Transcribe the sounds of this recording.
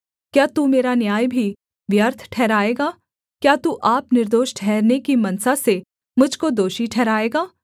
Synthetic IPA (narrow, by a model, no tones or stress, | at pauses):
kjaːt̪uːmeːɾanjaːjbʱi | ʋjəɾt̪ʰʈʰɛːɾaːeːɡaː | kjaːt̪uʔaːpnɪɾd̪oːʃʈʰɛːɾnekimɐnsase | mʊd͡ʒʱkod̪oːʃiʈʰɛːɾaːeːɡaː